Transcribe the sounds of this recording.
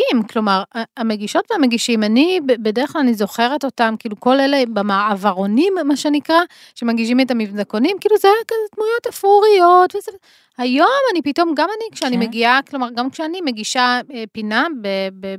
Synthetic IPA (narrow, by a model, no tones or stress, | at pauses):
imklo̞maʁaame̞ɡiʃo̞tveameɡiʃimanibebede̞eχklalanizo̞χe̞ʁeto̞tamkiːluko̞lelebemaavaʁo̞nimːaʃenikʁa | ʃemaɡiʃ̬imetamivzako̞nimkiːluzeajakazetmujo̞tafuʁijo̞tveze | hajo̞manipito̞mɡamanikʃeanimeɡiaklo̞maʁɡamkʃeanime̞ɡiʃaepinabebe